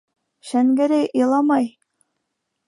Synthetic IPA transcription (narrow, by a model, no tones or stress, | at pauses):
ʃæŋɡæɾæjʔɤ̆lˠɑmɑj